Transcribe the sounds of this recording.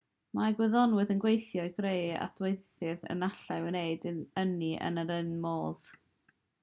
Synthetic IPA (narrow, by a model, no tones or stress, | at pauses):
maɡwɛðɔnwɨðənɡwejθjɔɨɡreja̰d̥wejθɨðə̰naɬawənejdɨəniʔə̰nəɾənmoːð̥